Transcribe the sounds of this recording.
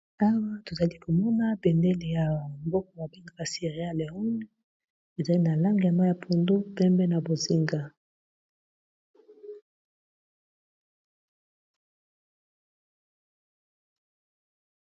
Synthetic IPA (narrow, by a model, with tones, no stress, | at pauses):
a˦wa˦to˨za˨li˦ko˨mɔ˦na˦bɛ˨ndɛ˦le˨ja˨mbɔ˦kɔ˨ma˨bi˦ŋɡa˨ba˨si˦˨ʁe˨˦a˦la˨u˦ni˦ | e˨za˨li˦na˨la˦ŋɡi˨ja˨ma˦ja˨pʰo˨ndo˦pɛ˦mbɛ˦na˨bo˨zi˦ŋɡa˨